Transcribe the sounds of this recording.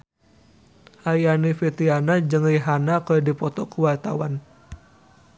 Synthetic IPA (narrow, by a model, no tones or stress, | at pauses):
ʔajanifit̪ianad͡ʒɨŋiɦanakərdipɔt̪ɔkuwart̪awan